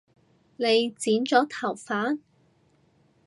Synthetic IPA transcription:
ne˨˧jt͡siː˨˥nt͡sɔː˨˥t̪ʰɐ˨˩wfaː˨˥n

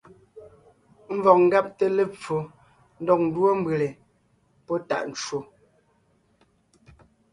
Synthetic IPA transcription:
m̩˦vɔ˨k̚ŋ̩˦ɡa˦p̚te˦˨le˦p͡fo˨˦ | n̩˦dɔ˦˨k̚n̩˨dwo˦m̩˦be˨le˨ | pɔ˦ta̰˦˨ʔn̩˨t͡ʃwo˨

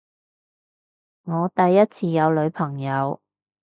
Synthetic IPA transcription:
ŋɔː˨˧t̪ɐ˨jːɐ˥t̚t͡sʰiː˧jɐ˨˧wlɵ˨˧ɥpʰɐ˨˩ŋjɐ˨˧w

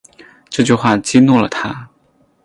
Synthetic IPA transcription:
ʈ͡ʂɤ˥˧t͡ɕy˥˧xwa˥˩t͡ɕi˥nu˥˩lə˩t̪ʰa˥

